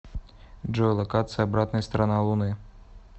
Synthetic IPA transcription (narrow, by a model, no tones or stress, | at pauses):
ʐɔjlˠɐkat̪sɨjabɾat̪nɐjst̪ɾanalˠunɨ